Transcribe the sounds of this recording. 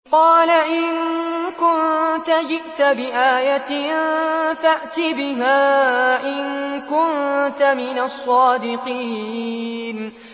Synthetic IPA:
qɑːlaʔɪnkʊnt̪ad͡ʒɪʔt̪abɪʔaːjat̪ɪnfaʔt̪ɪbɪɦaːʔɪnkʊnt̪amɪnasˤːɑːd̪ɪqiː | n

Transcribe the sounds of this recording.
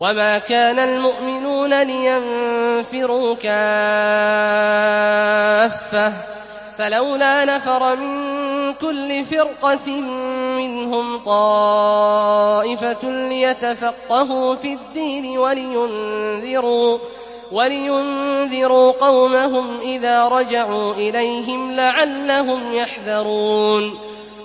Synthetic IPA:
wamaːkaːnalmʊʔmɪnuːnalɪjanfɪɾuːka | fːa | falawlaːnafɑɾˤɑmɪnkʊlːɪfɪɾqɑɪːɪnɦʊmt̪ˤɑː | ʔɪfalɪjat̪afɑqːɑɦuːfiːd̪ːiːnɪwalɪjʊnðɪɾuː | walɪjʊnðɪɾuːqɑwmaɦʊmʔɪðaːɾˤɑd͡ʒaʕuːʔɪlajɦɪmlaʕalːaɦʊmjaħðɑɾˤuːn

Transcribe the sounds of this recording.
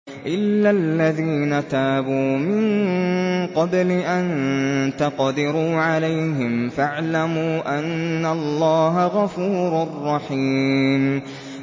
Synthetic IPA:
ʔɪlːalːaðiːnat̪aːbuːmɪn | qɑblɪʔant̪aqd̪ɪɾuːʕalajɦɪmfaʕlamuːʔanːalˤːɑːɦaɣɑfuːɾarˤːɑħiːm

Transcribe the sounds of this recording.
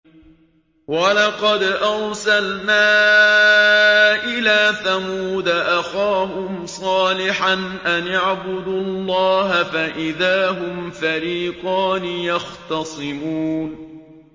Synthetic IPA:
wɑlɑqɑd̪ʔɑɾsalnaː | ʔɪlaːθamuːd̪aʔaxaːhʊmsˤɑːlɪħanʔanaʕbʊd̪ulˤːɑːɦafaʔɪðaːɦʊmfaɾiːqɑːnɪjɑxt̪ɑsˤɨmuːn

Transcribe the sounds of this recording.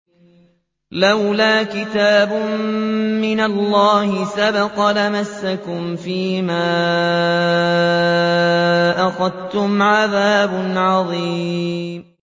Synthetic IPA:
lawlaːkɪt̪aːbʊmmɪnalːɑːhɪsabɑqɑlamasːakʊmfiːmaː | ʔaxɑd̪t̪ʊmʕaðaːbʊnʕɑðˤiːm

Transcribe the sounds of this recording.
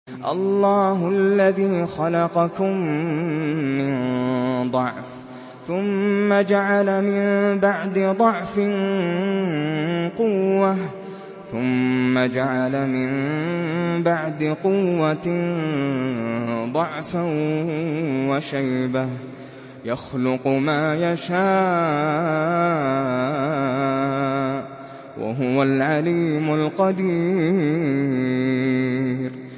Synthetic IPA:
ʔɑ̰lːɑːhʊʔalːaðiːxɑlɑqɑkʊmː | ɪnd̪ˤɑʕf | θʊmːad͡ʒaʕalamɪnbaʕd̪ɪd̪ˤɑʕfɪn | qʊwːa | θʊmːad͡ʒaʕalamɪn | baʕd̪ɪqʊwːa | d̪ˤɑʕfa | waʃajba | jaxlʊqmaːjaʃaː | wʔa̰ɦʊwalʕaliːmʊlqɑd̪iː | ɾ

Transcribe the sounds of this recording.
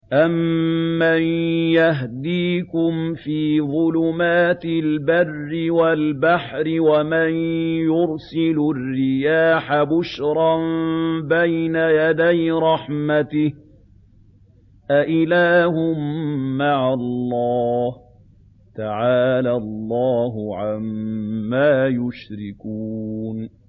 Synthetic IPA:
ʔamːanjaɦd̪iːkʊmfiːðˤʊlʊmaːt̪ɪlbarːɪwalbaħɾɪwamanjʊɾsɪlʊrːɪjaːħabʊʃɾˤɑmbajnajad̪ajɾˤɑħmat̪ɪh | ʔaʔɪlaːhʊmːaʕalˤːɑːh | t̪aʕaːlalˤːɑːɦʊʕamːaːjʊʃɾɪkuːn

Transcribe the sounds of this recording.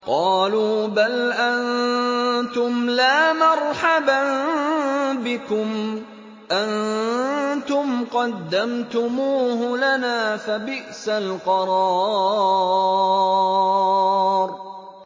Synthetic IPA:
qɑːluːbalʔan | t̪ʊmlaːmɑɾˤħaban | bɪkʊm | ʔan | t̪ʊmqɑd̪ːamt̪ʊmuːhʊlanaːfabɪʔsalqɑɾˤɑː | ɾ

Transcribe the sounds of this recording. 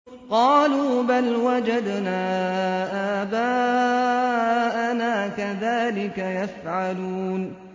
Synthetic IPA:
qɑːluːbalwad͡ʒad̪naːʔaːbaː | ʔanaːkaðaːlɪkajafʕaluːn

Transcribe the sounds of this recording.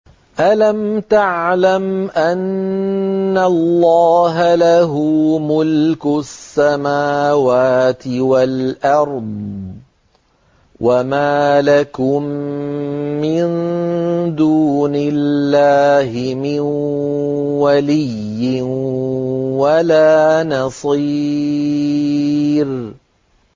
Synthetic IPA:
ʔalamt̪aʕlamʔanː | alːɑːɦalaɦuːmʊlkʊsːamaːwaːt̪ɪwalʔɑɾˤd̪ˤ | wʔamaːlakʊmː | ɪn | d̪uːnɪlːaːɦɪmɪn | walɪjːɪn | walaːnɑsˤi | ɾ

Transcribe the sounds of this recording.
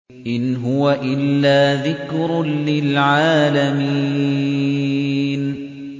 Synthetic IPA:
ʔɪnɦʊwaʔɪlːaːðɪkɾʊlɪlʕaːlami | n

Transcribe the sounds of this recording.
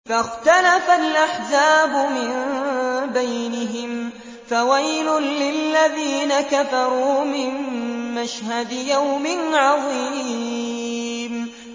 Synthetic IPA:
faxt̪alafalʔaħzaːbʊmɪn | bajnɪɦɪm | fawajlʊːɪlːaðiːnakafɑɾˤuːmɪnːaʃhad̪ɪjawmɪnʕɑðˤi | m

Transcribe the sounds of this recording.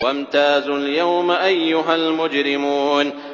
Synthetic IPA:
wamt̪aːzʊljawmaʔajːʊɦalmʊd͡ʒɾɪmuːn

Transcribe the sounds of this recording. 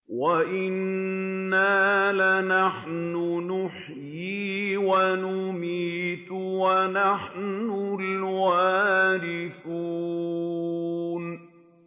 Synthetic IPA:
waʔɪnː | aːlanaħnʊnʊħ | jiːwanʊmiːt̪wanaħnʊlwaːɾɪθuː | n

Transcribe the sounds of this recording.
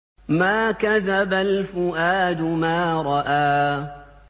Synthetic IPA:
maːkaðabalfʊʔaːd̪ʊmaːɾˤɑʔaː

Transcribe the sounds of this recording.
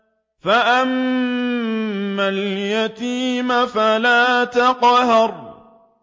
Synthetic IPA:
faʔam | aljat̪iːmafalaːt̪aqɦɑɾˤ

